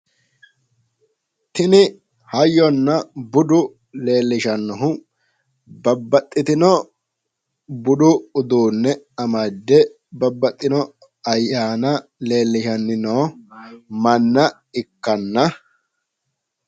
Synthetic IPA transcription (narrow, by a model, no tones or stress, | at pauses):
t̪ɪnɪ | hɐjɔnːɐbʊd̪ʊ | le̞ːlːɪʃɐnːɔɦʊ | bɐbːɐt̪ʼːɪt̪ɪnɔ | bʊd̪ʊʊd̪uːnːɛɐmɐd̪ːɛ | bɐbːɐt̪ʼːɪnɔ | ɐjːaːnɐle̞ːlːɪʃɐnːɪnoː | mɐnːɐ | ɪkːɐnːɐ